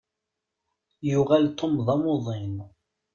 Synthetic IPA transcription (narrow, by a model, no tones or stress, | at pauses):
jʊʁælt̪ːomðˤɑmoðˤɪn